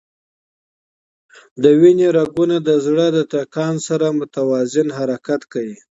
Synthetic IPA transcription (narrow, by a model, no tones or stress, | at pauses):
d̪əwineɾaɡunad̪əzɽəd̪ət̪akɑnsaɾamʊt̪awɑzɪnɦaɾakat̪kawi